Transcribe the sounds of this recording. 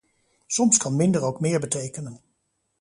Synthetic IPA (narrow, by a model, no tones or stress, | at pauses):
sɔmskɑnmɪndəɹowkmɪːɹbətejkənən